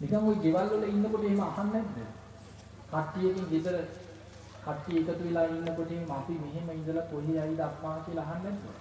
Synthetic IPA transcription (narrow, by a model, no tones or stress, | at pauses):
nikaŋojɡeʋalːələinːəkoʈəeɦeməahanːɛd̪ːə̰ | kaʈːijekiŋɡed̪ələ | kʰaʈːijəːkət̪uʋelaːinːəkoʈəeɦeməapimeɦeməind̪əlap̪olejajd̪əakmaːkiəlaaɦanːɛd̪ːə̰